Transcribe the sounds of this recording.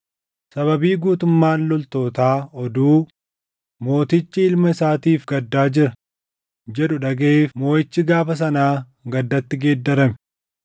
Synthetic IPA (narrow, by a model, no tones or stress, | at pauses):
sɐbɐbiːɡuːt̪ʊmːaːnlɔlt̪o̞ːt̪aːɔd̪uː | mo̞ːt̪ɪt͡ʃːɪɪlmɐɪsaːt̪iːfɡɐd̪ːaːd͡ʒɪɾɐ | d͡ʒɛᶑʊᶑɐɡeeːfmo̞ːʔɪt͡ʃːɪɡaːfɐs̬ɐnaː | ɡɐd̪ːɐt̪ːɪɡe̞ːd̪ːɐɾɐmɛ